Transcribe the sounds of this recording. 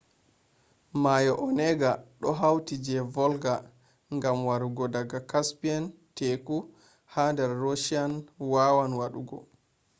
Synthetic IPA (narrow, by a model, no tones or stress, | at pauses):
majɔʔɔnɛɡaɗɔɦawtid͡ʒɛvɔlɡa | ŋɡamwaɾuɡɔdaɡakaspianteku | handɛɾːoʃianwawanwaɗuɡɔ̰